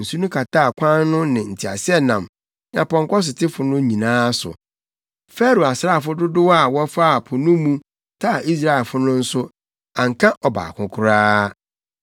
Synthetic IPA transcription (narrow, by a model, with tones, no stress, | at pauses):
n̩˨su˦nʊ̃˦kʰa˨tʰa˦˨kʰʷã˦n˦nʊ̃˦nɪ̃˨n̩˨tʰi˨a̰˨sɪ˦ɛ˦nã˨m | nã˨pɔ̃˨ŋkɔ˦s̬ɪ˨tʰɪ˦fʊ˨nʊ̃˦ɲĩ˨nãː˦sʊ̰˨ | fɛ˦ɾo˨a˨sɾa˦˨fʊ˦dʊ˦dʊ˦wa˦˨wɔ˦fa˦˨pʰʊ˨nũ˦mũ˦ | tʰa˦˨ʔi˦s̬ɾa˦˨ɛ˨lfʊ˦nʊ̃˦n̩˦sʊ˦ | ã˨ŋ̩˨kʰã˦ʔɔ˨ba̰˨kʰʊ̃˦kʰʊ˦ɾaː˦